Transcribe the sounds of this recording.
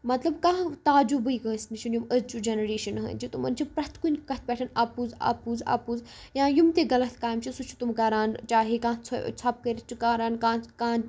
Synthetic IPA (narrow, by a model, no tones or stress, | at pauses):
mɐt̪lɐbkaːɦt̪aːd͡ʒubɨikɐ̃ːsnit͡ʃʰinjumɐzt͡ʃud͡ʒenɐɾeːʃɐnɦɐ̰nʲd͡ʒit̪umɐnt͡ʃʰipɾɐt̪ʰkunʲkɐt̪̚ʰpʲɛːʈʰɐnaːpuza̰ːpuːza̰ːpuːzjãːjumt̪eɡɐlɐt̪ʰkaːjmt͡ʃʰisut͡ʃʰu̥t̪umkaːɾaːnt͡ʃaːɦekãːt͡sʰo̰t͡sʰaːp̚kɐɾit̪t͡ʃʰukaːɾaːnkãːkãː